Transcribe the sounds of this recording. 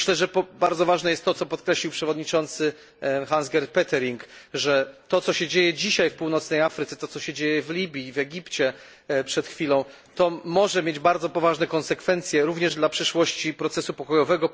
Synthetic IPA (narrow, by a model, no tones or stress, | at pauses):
ɕlɛʐɛpɔbaɾd̪zɔvaʐnɛjɛst̪ːɔt̪sɔpɔt̪kɾɛɕlʲiwpʂɛvɔd̪ɲit͡ʂɔnt̪sɘ | xanzɡʲɛɾt̪pɛt̪ɛɾiŋkʐɛt̪ɔt̪sɔɕɛd͡ʑejɛd͡ʑiɕajfpuwnɔt̪snɛjafɾɘt̪sɛt̪ɔt̪ɔɕɛd͡ʑejɛvlʲibʲjivɛɡʲipt͡ɕɛ | pʂɛt̪xfʲilɔ̃w̃ | t̪ɔmɔʐɛmʲjed͡ʑbaɾd̪zɔpɔvaʐnɛkɔnsɛkfɛnt̪sʲjɛɾuvɲɛʐd̪lapʂɘʂwɔɕt͡ɕipɾɔt̪sɛsupɔkɔjɔvɛɡɔ